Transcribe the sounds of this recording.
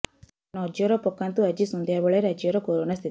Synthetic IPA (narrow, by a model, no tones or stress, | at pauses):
nɔd͡ʒjɔɾɔpɔkːant̪uɐd͡ʒisɔnd̪ʱjabɔɭeɾad͡ʒjɔɾɔkoɾonast̪ʰit̪i